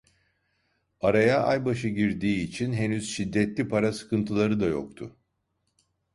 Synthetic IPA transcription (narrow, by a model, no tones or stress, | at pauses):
aɾajaʔajbaʃɯɟiɾd̪iːt͡ʃʰinɦe̞nyz̥ʃid̪ːɛt̪lʲipʰaɾasɯ̥kʰɯnt̪ʰɯlˠaɾɯd̪ajo̰k̚t̪ʰʊ̰